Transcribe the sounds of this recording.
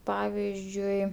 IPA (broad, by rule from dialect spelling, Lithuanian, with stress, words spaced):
ˈpɑːʋʲɪzʲd͡ʒʲʊɪ